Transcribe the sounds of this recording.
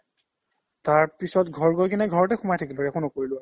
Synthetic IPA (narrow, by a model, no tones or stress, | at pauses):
taɹpisɔtɡʱɔɹɡɔjkinɛɡʱɔɹɔtɛxʊmajtʰakiloɛkʰõnɔkoɹilʊ